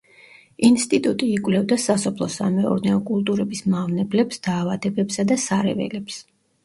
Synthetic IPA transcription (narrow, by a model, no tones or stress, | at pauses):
inst̪ʼit̪ʼut̪ʼiːkʼvlɛvd̪asasɔpʰlˠɔsa̰mɛɔ̰ɾdnɛɔkʼulˠt̪ʼuɾɛbismavnɛblɛpsd̪̥aːvad̪ɛbɛpsad̪asaɾɛ̰vɛ̰lɛps